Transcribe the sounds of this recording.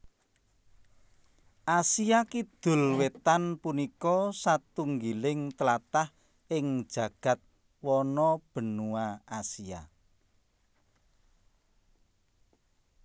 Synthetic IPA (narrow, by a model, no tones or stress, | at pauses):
ʔasiakid̪̥ʊ̤lwet̪anpunikɔsat̪uŋɡilɪŋt̪əlat̪ah | ɪŋ̥ʒ̥ä̤ɡ̥ä̤t̪̚ | wɔnɔb̥ə̤nuaasia